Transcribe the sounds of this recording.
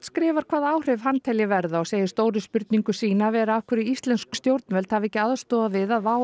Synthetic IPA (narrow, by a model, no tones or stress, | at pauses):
t̪skɾɪːvaɾ̥kʰvaːðaːwr̥ɪv̥ɦanːt̪ʰɛljɪvɛɾðaɔɣseːjɪst̪oːwɾɪspʏɾt̪̚niŋkʏsiːnavɛːɾaafkʰʏɾɪist̪lɛnskst̪jowɾt̪nvɛlt̪havɛhcːɪaðst̪ɔːðavɪðaðvaːw